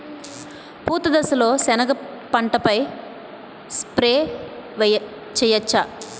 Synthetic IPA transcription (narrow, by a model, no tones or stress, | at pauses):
puːt̪ɐd̪ɐsɐlo̞ːsɛnɐɡɐpɐɳʈɐpɐj | spɾeːʋ | t͡ʃɛjɐt͡ʃːa